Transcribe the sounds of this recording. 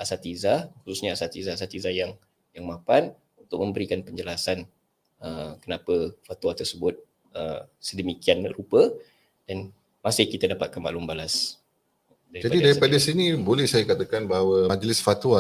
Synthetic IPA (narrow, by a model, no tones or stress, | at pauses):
ʔasat̪izaxususɲaasat̪izaasat̪izajaŋ | jaŋmãpan | unt̪ʊk̚məmbəɾikanpəɲd͡ʒəlasan | əkənapəfat̪uat̪ərsəbʊt̪̚ | əsədəmikianrupə | d̥an | masɪhkit̪adapat̪̚kanma̰ʔlumbalas | daɾid͡ʒapadidaɾipadasinibolɛhsajakat̪akanbaɦawaad͡ʒlɪsfat̪uwa